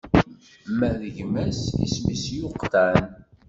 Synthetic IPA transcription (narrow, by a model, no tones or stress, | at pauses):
mːæðəʝmæsḭsmisjʊqt̪æn